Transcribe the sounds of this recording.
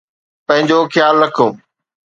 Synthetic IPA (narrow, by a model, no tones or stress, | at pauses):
pɐ̃ɦɪ̃ɲd͡ʑoxɪjaːlːɐkʰoː